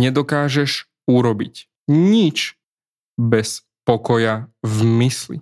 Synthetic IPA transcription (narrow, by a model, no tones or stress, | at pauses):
ɲɛd̪ɔkaːʒɛʃ | uɾɔbic | ɲit͡ʃ | bɛs | pɔkɔjavmislḭ